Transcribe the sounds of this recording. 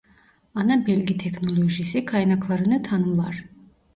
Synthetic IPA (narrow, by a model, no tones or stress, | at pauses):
ɑnɑbelʲɡʲit̪ʰeknolˠoʒijsikʰɑjnaklˠɑɾɯnɯt̪ʰɑnɯlˠɑ̰ɾ